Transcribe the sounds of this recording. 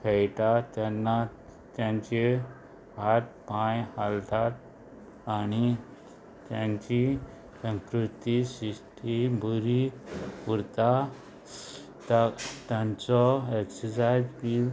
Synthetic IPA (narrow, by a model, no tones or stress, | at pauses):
pʰɛjt̪at̪anːa | t̪jãɲt͡ɕe | hat̪̚pãjhalt̪at̪ | aɽ̃i | t̪jãɲt͡ɕi | sə̃ŋkɾut̪isiʂʈʰibʱuɾipuɾt̪a | t̪at̪jãɲt͡sɔeksəsajd͡zpil